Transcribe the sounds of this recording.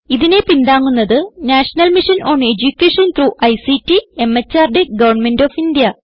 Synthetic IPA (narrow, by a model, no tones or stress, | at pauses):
iðine̞pind̪aːŋːunːɐðɨnaːʂɐnɐlmiʂɐno̞ːɳe̞d͡ʑukʲːeːʂɐnt̪ɾuːʔɐjsitːie̞mɐt͡ɕːaːrɖeɡɐʋɐrɳme̞ndoːfind̪ijɐ